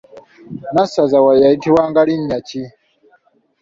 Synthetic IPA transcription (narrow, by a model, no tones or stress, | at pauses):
nasazawajaitiwaŋɡaɽiɲjat͡ʃi